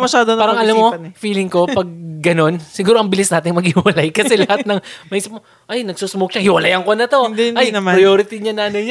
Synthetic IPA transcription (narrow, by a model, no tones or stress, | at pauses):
mɐʃaːd̪opaːɾɐŋʔɐlamːo̞fiːlɪŋko̞ppɐɡ̚ːɐno̞nsɪɡuːɾoɐŋbɪlɪsnaːt̪ɪŋmɐɡ̚hɪwɐlajkɐsɛlɐhanɐŋmɐʔiːsɪp̚mo | ʔɐjnɐɡsusmok̚ʃahɪwɐlajɐŋko̞nɐt̪o̞d̪ajnɐmpɾɐjoːɾɪt̪iɲɐnaːnɐjɲ